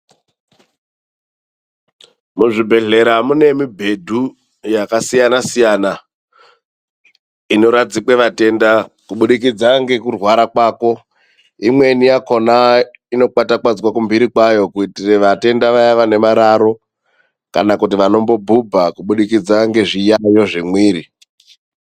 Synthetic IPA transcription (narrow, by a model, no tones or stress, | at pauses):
muʐibʱe̞ɮe̞ɾamune̞mibʱe̞dʱu | jakasijanasijaːna | ino̞ɾad͡zikwe̞ʋate̞nda | kuɓuɗikid͡zaŋɡe̞kurwaɾakwaːko̞ | imwe̞nijako̞na | ino̞katakwad͡zwakumbiɾikwajo̞kuitireʋate̞ndaʋajaʋane̞maɾaɾo̞ | ka̰nakutiʋano̞mbo̞bʱubʱakuɓuɗikid͡zaŋɡe̞ʐijajo̞ʐimwiːɾi